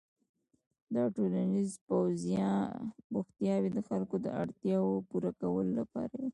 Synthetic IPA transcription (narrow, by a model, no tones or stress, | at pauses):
d̪ɑʈolanizpawzijɑɾuxt̪jɑwed̪əxalkod̪ə̰aɽt̪jɑwopuɾakawəlolapɑ̰ɾaji